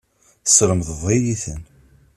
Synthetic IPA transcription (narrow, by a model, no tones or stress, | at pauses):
sɾəmðəvˤejiθə̰n